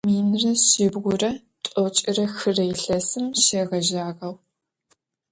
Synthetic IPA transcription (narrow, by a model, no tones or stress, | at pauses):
miːnrɐʃɪbɣʷʊrɐ | tʼɔt͡ʃʼɪrɐxɨrɐjɪɬɐsɨmʃeːʁɐʒaːʁɐw